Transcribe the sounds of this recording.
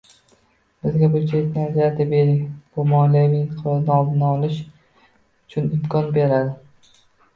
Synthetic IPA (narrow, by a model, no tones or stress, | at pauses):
b̥ɪzɡʲabʊt͡ʃʰet̪ʲnɪad͡ʒad̪ɪbeɾɪkʲbʊmɒlɪvɪnqʰlɒznaɒd̪ɪnaɒlˠɪʃ | ʊt͡ʃʰʊnɪmkʰɒnbe̞ɾad̪ɪ